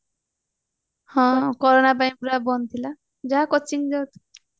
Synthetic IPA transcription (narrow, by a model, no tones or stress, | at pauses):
hʌ̃kɔɾonapaĩpuɾabʌnt̪ʰila | d͡zakʌt͡sʰind͡zʌt̪u